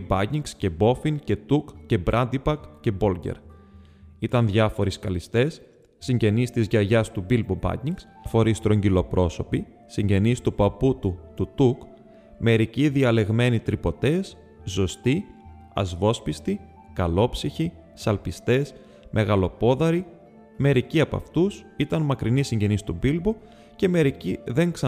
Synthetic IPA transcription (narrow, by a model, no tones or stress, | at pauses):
bɐciŋɡsce̞bo̞fiŋce̞t̪ukce̞bɾʔɐnd̪ibɐkce̞bo̞lɟḛɾ | it̪ɐnðʝɐfo̞ɾiskɐlist̪e̞sː | iɲɟe̞nist̪izʝɐʝɐst̪ubilbobɐ̰ciŋɡs | fo̞ɾist̪ɾo̞ɲɟilo̞pɾʔo̞so̞pi | siɲɟe̞nist̪upɐput̪ut̪ut̪uk | me̞ɾiciðiɐle̞ɣme̞nit̪ɾipo̞t̪e̞sː | o̞st̪i | ɐ̰zvo̞spist̪i | kɐlo̞psiçi | sɐlpist̪e̞s | mʔe̞ɣɐlo̞po̞ðɐɾi | me̞ɾiciɐpɐ̰ft̪us | it̪ɐnmɐkɾinisiɲɟe̞nist̪ubilbo | ce̞me̞ɾiciðe̞ŋksɐ